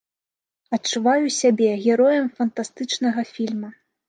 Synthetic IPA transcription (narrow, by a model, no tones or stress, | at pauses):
ɐtt͡ʂuvajusʲabʲɛɣʲɛɾɔjɐmfɐnt̪ast̪ɨt͡ʂnɐɣɐfʲilʲmɐ